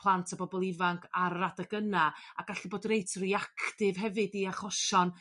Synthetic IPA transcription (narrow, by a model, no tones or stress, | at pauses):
pʰlˠantʰabɔbɔlˠɪvaŋkʰaɾːadaɡənaaɡ̥aɬiboːdrejtʰriakʰtɪvɦɛvɨdiaχɔʃɔn